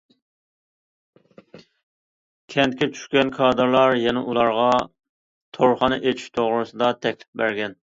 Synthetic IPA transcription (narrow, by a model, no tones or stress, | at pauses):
kʲʰɛnt̪ɪkʲɛt͡ʃʰy̥ʃkʲɛnkʰɑːd̪ɨɾlˠɑɾjɛnɛʔulˠɑɾʁɑ | t̪ʰoɾχɑnɨʔet͡ʃʰi̥ʃt̪ʰoʁɾɨsɨd̪ɑt̪ʰɛkʲlɪ̥p̚bæɾɡʲɛn